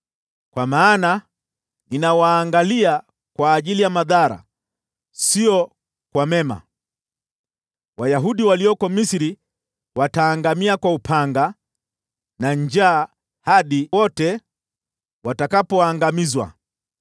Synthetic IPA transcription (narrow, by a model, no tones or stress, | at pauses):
kwamaːna | ninawaːŋɡalia | kwaːʄilijamaðaɾa̰ | siɔ | kwamɛma̰ | wajaɦuɗiwaliɔkɔmisiɾi | wataːŋɡamiakwaupʰaŋɡa | naɲd͡ʒaː | haɗiwɔtɛ | watakapɔaŋɡamizwa̰